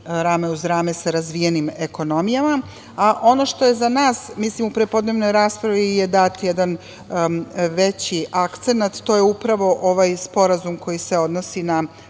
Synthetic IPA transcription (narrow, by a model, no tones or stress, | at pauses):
ɾaːmeuzɾaːmesaɾazʋijenimeko̞no̞mijama | aʔo̞no̞ʃt̪o̞je̞zanaːsmislimupɾepo̞d̪ne̞ʋno̞jɾaːspɾaʋijed̪at̪jed̪an | ʋet͡ɕiʔakt̪se̞nat̪ːo̞ːjeupɾaʋo̞ʔoʋajspo̞ɾazumkʰo̞jise̞o̞d̪nosina